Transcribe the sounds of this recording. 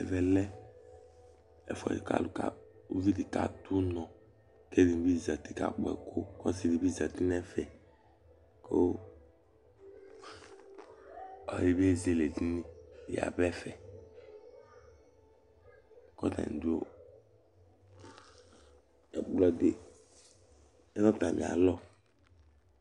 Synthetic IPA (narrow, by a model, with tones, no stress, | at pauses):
ɛ˨vɛ˨lɛ˦ | ɛ˨fɔ˨ḭ˨ka̰˨lu˨ka̰˨ | u˦vi˦di˨ka̰˨tu˦nɔ˨ | ke˦di˨m˨bi˦˨za˨ti˦ka̰˨k͡pɛ̰˨kʰo˦kɔ˦si˦di˨bi˦˨za˨ti˦nɛ˦fɛ˨ | ko˦ | ɔ˨ɾi˦be˦˨ze˦le˨ti˦ni˦˨ja̰˨bɛ˦fɛ˨ | kɔ˦ta̰˨du˦o˦ | ɛ̰˨k͡plɔ˦dḛ˦˨ | ɛ˦nɔ˦ta˨mḭ˨a̰˨lɔ˦